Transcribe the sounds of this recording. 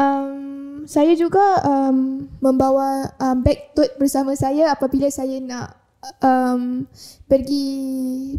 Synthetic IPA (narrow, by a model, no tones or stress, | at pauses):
ʔəmsajad͡ʒuɡaəmːə̃mbawaəmbɛk̚t̪ʊt̪̚bərsamãsajaapabilasajanãʔ | əmpərɡi